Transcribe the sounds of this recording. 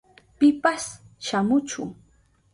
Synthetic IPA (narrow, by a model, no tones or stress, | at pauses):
pɪpas | ʃamʊt͡ʃʊ̰ŋ